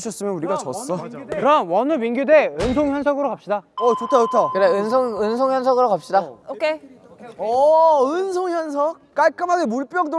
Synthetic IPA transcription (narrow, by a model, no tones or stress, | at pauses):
ɕʰʌs͈ɯmjʌnuɾiɡat͡ɕʌs͈ʌkɯɾawʌnɯminɡjudeɯnsʰoŋçjʌnsʰʌɡɯɾokapɕ͈idaʌt͡ɕotʰʌt͡ɕotʰʌkɯɾeɯnsʰoŋɯnsʰoŋjʌns̬ʰʌɡɯɾokap̚ɕ͈idaokʰe | ʌɯnsʰoŋçjʌns̬ʰʌk̚k͈aɭk͈ɯmɦaɡemuɭp͈jʌŋd͈o